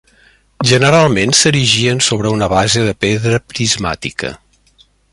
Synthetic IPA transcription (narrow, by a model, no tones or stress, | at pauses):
ʒənəɾalˠmensəɾiʒiənsoβ̞ɾəunəβazəðəpeðɾəpɾizma̰t̪ḭkə̰